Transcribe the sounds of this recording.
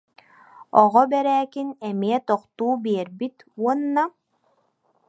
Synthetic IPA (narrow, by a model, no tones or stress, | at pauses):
ɔ̰ʁɔbɛɾæːkinɛmiɛt̪ɔqt̪uːbiɛɾbit̪uɔnːa